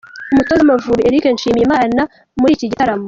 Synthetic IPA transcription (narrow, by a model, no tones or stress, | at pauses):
umutozamavuɾieɾikenʃiːmimaːna | muɾiciɟitaɾamo